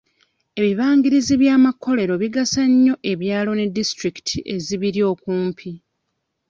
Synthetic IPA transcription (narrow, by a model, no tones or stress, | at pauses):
e̞βiβaːŋɡiɾiziβjaːmakːo̞le̞ɾo̞βiɡasaɲːo̞ʔe̞βjaːlo̞ne̞dːistɾiki̥tʰiʔe̞ziβiɾjo̞ːkuːmpʰi